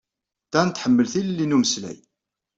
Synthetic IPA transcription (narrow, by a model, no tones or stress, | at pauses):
θænt̪ːħəmːəlθillːinuməslæ̰j